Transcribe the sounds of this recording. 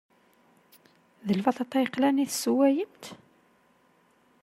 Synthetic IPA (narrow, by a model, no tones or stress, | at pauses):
ðəlfɑt̪ɑt̪ˤːɑjqlæniθsuwæjəmt̪